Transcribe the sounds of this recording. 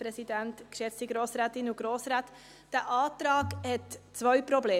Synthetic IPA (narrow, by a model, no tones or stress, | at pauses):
pɾɛsidæntkʃɛstiɡɾoːsɾɛːtɪnʊɡ̥ɾoːsɾaːt | d̥əʔɑːtɾɑːɡhɛtt͡sʋœʏpɾɔbleː